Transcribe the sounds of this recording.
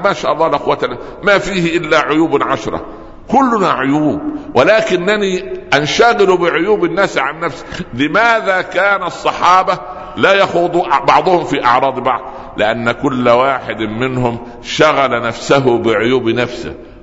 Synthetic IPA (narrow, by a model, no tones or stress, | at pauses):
maːʃaːʔɑlˤːɑːlʔɪxwat̪ana | mafiːhɪʔɪlːaʕʊjuːbʕaʃɾˤɑ̰ | kʊlːʊnaʕʊjuːb̚wɪlaːkɪnːaniːʔanʃaɣɪlubɪʕʊjuːbɪnːaːsʕanːafsɪ̥lɪmaːðaːkaːnsˤːɑħɑːbɑ | laːjaxuːd̪ˤuʔbɑʕd̪ˤʊhʊmfiʔɑʕɾˤɑːd̪ˤbɑʕd̪ˤ | lɪʔanːækʊlːwaːħɪd̪mɪnhʊm | ʃaɣalanafsaɦʊbɪʕʊjuːbnafsɪ̰